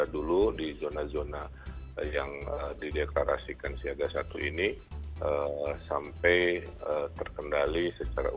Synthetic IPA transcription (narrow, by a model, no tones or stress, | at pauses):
aduludizonazona | jaŋədideklaɾa̰sikansiaɡasat̪uʔiniʔəsampɛjət̪ərkəndalisət͡ʃaɾa̰